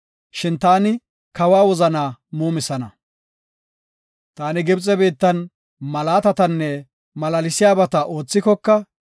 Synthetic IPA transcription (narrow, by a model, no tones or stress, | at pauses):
ʃɪnt̪aːnɪ | kɐwaːwɔzɐnaːmuːmɪsɐnɐ | t̪aːnɪɡɪbt͡sʼɛbiːt̪ːɐn | mɐlaːt̪ɐt̪ɐnːɛ | mɐlɐlɪsɪjaːbɐt̪ɐʔo̞ːt͡sːɪkɔkːɐ